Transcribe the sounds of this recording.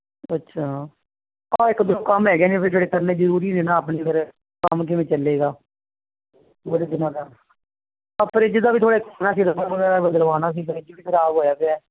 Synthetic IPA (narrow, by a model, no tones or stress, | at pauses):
ətːʃʰaː | ɔːɪkd̪oːkəmɦɛːɡjaːnẽːpʰɪɾd͡ʒeːɽeːt̪əɾnẽːd͡ʒəɾuːɾiːnẽːnãːəp̬ɳiːkəɾ | kəmk̬ɪʋẽːt͡ʃəlːeːɡaː | oɽed̪ɪnãːd̪aː | pʰəɾɪd͡ʒd̪aːbiːt̪ʰoːɽeːkaːnãːs̬iːd̪əpəɾʋəɡɛːɾaːbəd̪əlʋaːnaːs̬iːpəɾɪd͡ʒbiːpʰɪɾaːboːjaːpɪɛː